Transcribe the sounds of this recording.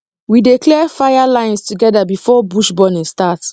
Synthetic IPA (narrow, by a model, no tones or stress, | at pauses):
wideklɛfajalãɪ̃nstuɡɛdabifɔbuʃbɔnĩstat